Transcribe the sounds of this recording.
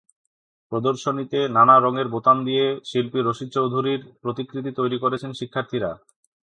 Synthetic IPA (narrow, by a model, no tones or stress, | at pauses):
pɾod̪oɾʃonit̪enanaɾɔŋeɾbot̪amd̪ijeʃilpiɾoʃit̪̚t͡ɕowd̪ʱuɾiɾpɾot̪ikɾit̪̬it̪ojɾikoɾet͡ɕʰenʃikʰːaɾt̪ʰiɾa